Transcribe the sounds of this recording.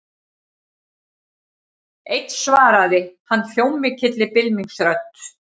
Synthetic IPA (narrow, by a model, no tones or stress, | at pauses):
ejt̪svaːɾaðɪhanːfjowmɪcʰɪt̪lɪpɪlmiŋksɾœt̪